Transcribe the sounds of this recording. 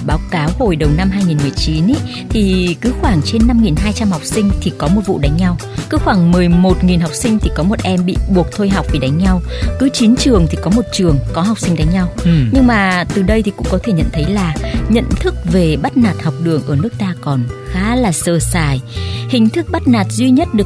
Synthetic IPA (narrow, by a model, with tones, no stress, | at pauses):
ɓaː˨˦wkaː˨˦who˧˩jɗə˨˩wna˧mɦaː˧jŋi˨˩nmɨ˨˩əjt͡ɕi˨˦nʔ | t̪ʰi˨˩kɨ˨˦xwaː˧˩ŋt͡ɕe˧nːa˧mŋi˨˩nɦaː˧jt͡ɕa˧mha˨˩wk͡p̚sï˧ŋ̟t̪ʰi˨˩kɔ˨˦mo˨˩t̚vṵ˧˨ɗa˨˦ŋ̟ɲa˧w | kɨ˨˦xwaː˧˩ŋmɨ˨˩əjmo˨˩t̚ŋi˨˩nɦa˨˩wk͡p̚sï˧ŋ̟t̪ʰi˨˩kɔ˨˦mo˨˩t̚ʔɛ˧mɓḭ˧˨ɓu˨˩ək̚t̪ʰo˧jɦa˨˩wk͡p̚vi˨˩ɗa˨˦ŋ̟ɲa˧wkɨ˨˦t͡ɕi˨˦nt͡ɕɨ˨˩əŋt̪ʰi˨˩kɔ˨˦mo˨˩t̚t͡ɕɨ˨˩əŋkɔ˨˦ɦa˨˩wk͡p̚sï˧ŋ̟ɗa˨˦jŋ̟ɲa˧wɲɨ˧ŋmaː˨˩t̪ɨ˨˩ɗə˧jt̪ʰi˨˩kʊ̰˧˥ŋ͡mkɔ˨˦t̪ʰe˧˩ɲə̰˧˨nt̪ʰə˨˦jlaː˨˩ɲə̰˧˨nt̪ʰɨ˦˥k̚ve˨˩ɓa˦˥t̚naː˨˩t̚ha˨˩wk͡p̚ɗɨ˨˩əŋʔəː˧˩nɨ˦˥ək̚t̪aː˧kɔ˨˩nxaː˨˦laː˨˩səː˧˩saː˧˩jhï˧˩ŋ̟t̪ʰɨ˦˥k̚ɓa˦˥t̚naː˨˩t̚zwi˧ɲə˦˥t̚ɗɨ˨˩ək̚